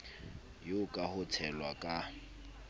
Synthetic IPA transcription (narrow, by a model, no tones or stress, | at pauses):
jokʼahʊtʰɛlwakʼa